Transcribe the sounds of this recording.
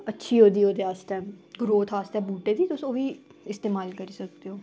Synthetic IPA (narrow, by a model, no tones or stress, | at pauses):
ətːʃʰiːɦoːd̪iːoːd̪eːaːsʈɛːɡɾoːt̪ʰɦaːst̪ɛːbuːʈeːd̪iːt̪ʊsoːʋiːɪst̪eːmaːlkəɾiːsək̚d̪eɦoː